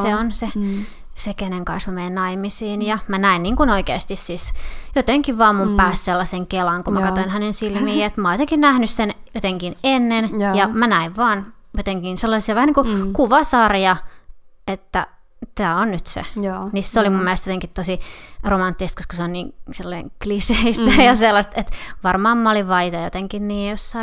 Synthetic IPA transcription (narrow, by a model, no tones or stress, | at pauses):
seonse | sekeneŋkɑnsmæmeinnɑimisiːnjɑmænæinniːŋkunoikḛˑːst̪issisjot̪eŋkiʋʋɑːmmumpæːsselːɑseŋkelɑŋkumækɑt̪oinhænensilmiːet̪mɑːjot̪eŋkinnæhnyssenjot̪eŋkinenːenjɑmænæiʋʋɑːnjot̪eŋkinselːɑsiɑʋæhæniːŋkukuʋɑsɑrjɑ | et̪ːæ | t̪æːonnyt̪sḛnisseolimumːelestjot̪eŋkit̪t̪osiromɑnt̪ːisest̪koskɑseonniːŋselːɑiŋkliseist̪æjɑselːɑst̪et̪ʋɑrmɑːmmɑoliʋʋɑit̪ɑjot̪eŋkinniːjosːɑ